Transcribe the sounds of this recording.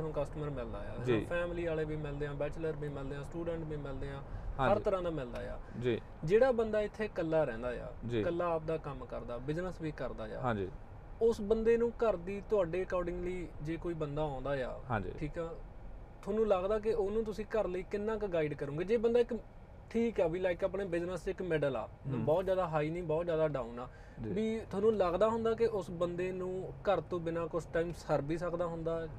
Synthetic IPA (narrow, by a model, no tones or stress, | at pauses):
nõːkəsʈəməɾmɪld̪aːja̰ːd͡ʒĩpʰɛːmliːaːleːbiːmɪld̪eːãːbɛːt͡ʃləɾbĩːmɪld̪eːãːsʈuːɖɛ̃ɳʈbĩːmɪld̪eːãːhəɾt̪əɾãːd̪aːmɪld̪aːja̰ːd͡ʒiː | d͡ʒeːɽaːbənd̪aːɪt̪ʰːeːkəlːaːɾɛ̃ːnd̪aːja̰ːd͡ʒiːkəlːaːp̚d̪aːkəmkəɾd̪aːbɪznəsbiːkəɾd̪aːja̰ːãːd͡ʒiː | ʊsbənd̪eːnũːkəɾd̪iːt̪ʊaːɖeːəkɔːɾɖɪ̃ŋɡliːd͡ʒeːkoːiːbənd̪aːɔ̃ːnd̪aːja̰ːɦã̰ːd͡ʒḭːʈʰiːkɛː | t̪ʰʊoːnũːləɡd̪aːk̬ɪʊnũːt̪̬ʊsĩːkəɾləiːkɪnːãːkɡaːɪɖkəɾũːɡeːd͡ʒeːbənd̪aːɪk | ʈʰiːkɛːʋiːlaːɪkaːpɳeːbɪd͡ʒnəsɪkmɛːɖəla̰ː | bɔːt̪zjaːd̪aːɦaːiːnĩːbɔːt̪zjaːd̪aːɖãːũnaː | d͡ʒbiːt̪ʰʊaːnũːləɡd̪aːɦʊ̃nd̪aːkɪʔʊsbənd̪eːnũːkəɾt̪õːbɪnaːkʊsʈaːiːmsəɾbiːsəkd̪aːɦʊnd̪aː